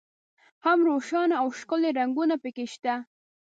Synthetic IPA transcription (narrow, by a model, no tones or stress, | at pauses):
hamɾoʃɑnaawʃkəleɾaŋɡunapəkeʃt̪a